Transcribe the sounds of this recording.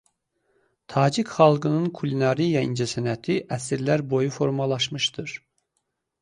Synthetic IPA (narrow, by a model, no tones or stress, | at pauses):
t̪ʰɑːd͡ʒikχɑlˠɡɯnɯnkʰulʲinɑɾijɑḭnd͡ʒæsænæt̪ʰiʔæsiɾlæɾbo̞jufo̞ɾmɑlˠɑʃmɯʃt̪ɯɾ̥